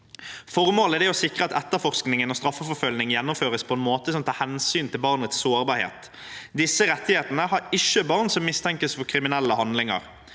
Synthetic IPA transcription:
fɔʁmoːləd̪ɛɔsɪkʁəɑt̪ɛt̪ːəfɔʁsknɪŋənɔːst̪ʁɑfːəfɔfœlnɪŋjɛnːɔmføːʁəspʰɔɛnmoːt̪əsɔmt̪ʰɑːhɛnsyːnt̪ʰɪlbɑʁnət̪ssoːʁbɑːɾhḛːt̪ | d̪ɪsːəɾɛt̪ːɪheːt̪ənəhɑɾɪʃːəbɑʁnsɔmːɪst̪ʰɛŋkəsfɔkʰʁɪmɪnɛlːəhɑnd̪lɪŋɑ̰ʁ

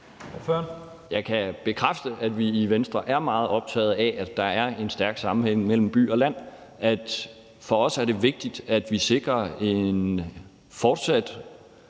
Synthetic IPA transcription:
ɒføɐn | jɑ̈ɪkʰæb̥e̝kʰʁafd̥əʔæd̥ʋiːʋensd̥ʁɐʔæɐmɑ̈ːð̞̩ˠɒ̽b̥̚t͡sʰɛ̰ːð̩ˠɛʔæd̥ːɑ̈æɐe̝nsd̥æɐɡ̥sɑ̈mm̩heŋ̰mel̰m̩b̥y̰ːɒ̽læn̰ | ʔæd̥ | fɒ̽ɒ̽sæɐɾe̝ʋe̝ɡ̥̚d̥id̥æd̥ʋise̝ɡ̥ʁɐe̝n | fɒːd̥sæd̥

